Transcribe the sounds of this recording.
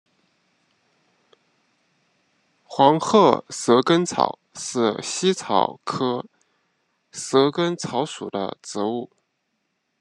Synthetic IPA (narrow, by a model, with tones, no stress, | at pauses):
xwɑ˧˥ŋxɤ˥˩sɤ˧˥kə˥nt͡sʰɑ̰˨˩˦ʊʂɻ̩˥˩ɕi˥t͡sʰɑ˨˩ʊkʰɤ˥ | sɤ˧˥kə˥nt͡sʰɑ˧˥ʊʂu˨˩d̪ə̰˦ʈ͡ʂɻ̩˧˥u˥˩